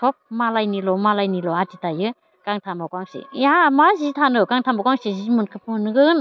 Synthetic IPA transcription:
tʰɔp̚malajnilɔmalajnilɔatitajɯ | kaŋtʰamakaŋsḭaamazitʰanɯkaŋtʰamakaŋsizimunkʰɯpɯnɡɯn

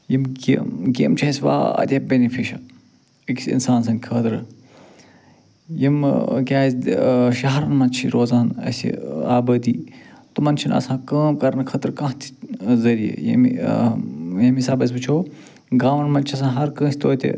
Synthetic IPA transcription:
jimɡɡʲḛmt͡ʃʰɐsʲʋa̰ːɐ̰d̪ʲɐːp̚bʲenifʰiʃɐ̰ | iksḭnsaːns̬ɐnʲkʰɐːt̪ɾ | jimkʲaːsʃɐɦɐɾɐnmɐnt͡ʃʰiɾoːzaːnɐ̰sḭaːbɐːd̪iːt̪umɐnt͡ʃʰinɐ̰sãːkɐːmkɐɾnkʰɐt̪ɾkɐ̃ɦt̪ʰi̥zɐɾijḛjɐ̰m | jɐmisaːbɐs̬ʲbɨt͡ʃʰoː | ɡaːʋɐnmɐnt͡ʃʰiɐs̬ãːɦɐɾkə̃ːsʲt̪oːt̪ʲḛ

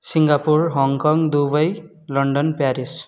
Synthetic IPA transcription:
siŋɡapurɦʌŋkʌŋd̪ubʌj | lʌɳɖʌnpjaɾis

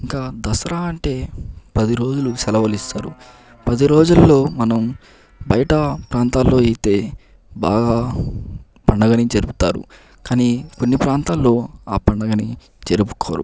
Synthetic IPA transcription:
iŋkaːd̪ɐsɐɾaːɐɳʈe̞ːpɐd̪iɾo̞ːd͡ʒulusɛlɐʋɐlist̪aːɾu | pɐd̪iɾo̞ːd͡ʒulːo̞ːmɐnɐm | bɐjɐʈɐpɾaːnt̪aːlːo̞ːeːit̪e̞ː | ba̰ːɡaː | pɐɳɖɐɡɐnid͡ʒeɾuput̪aːɾṵ | kaːniːko̞nːipɾaːnt̪aːlːo̞ːaːpɐɳɖɐɡɐni | t͡ʃeɾupuko̰ːɾṵ

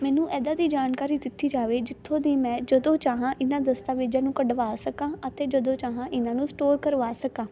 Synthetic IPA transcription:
mɛ̃ːnũːʔɛːd̪aːd̪iːd͡ʒaːnkaːɾiːd̪ɪt̪ʰːiːd͡ʒaːʋeːd͡ʒɪt̪ʰːõːd̪iːmɛ̃ːd͡ʒəd̪õːt͡ʃaːɦãːʔɪnãːd̪əst̪aːʋeːd͡ʒãːnũːkəɖʋaːsəkãːət̪eːd͡ʒəd̪õːt͡ʃaːɦãːʔɪnãːnũːsʈoːɾkəɾʋaːsəkãː

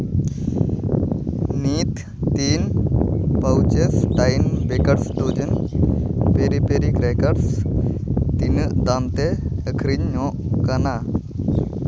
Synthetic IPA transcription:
nit̪ː | in | pawt͡ʃesʈajnbekəɖsd̪ud͡ʒən | peɾipeɾikɾekaɖs | t̪inəʔd̪amt̪ɛəkʰɾiɲːɔ̃ʔkana

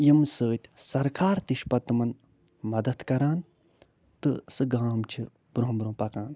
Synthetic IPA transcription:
jimsəːt̪ʲsɐɾkʰaːɾt̪iʃpɐt̪ːmɐn | mɐd̪ɐt̪kɐɾaːn | t̪ɨsɨɡaːmt͡ʃʰi | b̥ɾuɦmbɾõːpɐkaːn

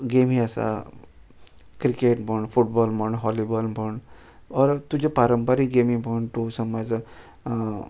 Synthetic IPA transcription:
ɡemiəsa̰ | kɾikeʈbʱəɳɖfuʈ̚bɔlbəɳɦɔlibɔlbʱəɳ | ɔɾt̪ud͡ʑepaɾəmpaɾiɡemibʱəɳʈ̪usəmad͡z

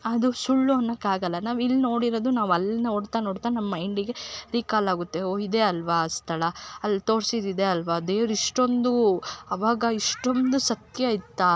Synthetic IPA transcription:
ɐd̪usuɭːuonːɐkːaːɡɐlːɐnaːʋilːino̞ːɽiɾoːd̪unaːʋɐlːinoːɽt̪aːnoːɽt̪aːnɐmːɐiɳɖiɡe̞ɾiːkaːlaːɡut̪ːeoid̪eɐlʋɐst̪ʰɐlɐɐlːit̪o̞ːɽsid̪id̪eɐlʋɐd̪eːʋɾiʂʈo̞nd̪uɐʋaːɡɐiʂʈo̞nd̪usɐt̪jɐit̪ːa

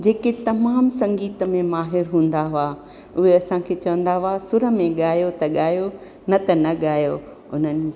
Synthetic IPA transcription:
d͡ʑeːket̪ɐmaːmsɐ̃ŋɡiːt̪ə̆mẽmaːɦɪɾɦũːnd̪aɦʊa | ʊɦeɐsãkʰeːt͡ɕɐʋə̃nd̪aɦʊasʊɾə̆mẽɠaːjot̪ɐɠaːjo | nɐt̪ɐnɐɠaːjo | ʊn̤ənɪ̆

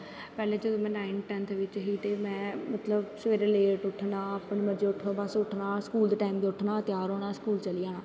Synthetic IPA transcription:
pɛːleːd͡ʒəd̪õːmɛ̃ːnaːɪnʈɛːnt̪ʰʋɪt͡ʃɦiːt̪eːmɛ̃ːmət̪ləbsəʋeːɾeːleːʈʊʈʰːnãːəːpɳeːməɾd͡ʒeːʊʈʰõːbəsʊʈʰnaːskuːld̪eːʈaːimd̪eʊʈʰnãːt̪ɪjaːɾɦoːnaːskuːlt͡ʃəliaːnãː

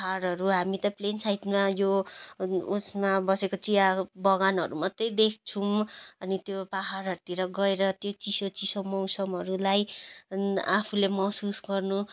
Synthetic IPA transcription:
paɦaɾɦʌɾuɦamit̪ʌplensajʈmajo | usmabʌsekot͡siabʌɡanʌɾumʌt̪ːʌjd̪ek̚ʰt͡sʰumʌnit̪jopaɦaɾɦʌɾut̪iɾʌɡʌeɾʌt̪jot͡sisot͡sisʌmʌwsʌmɦʌɾulaj | apʰulemʌɦsusɡʌrnu

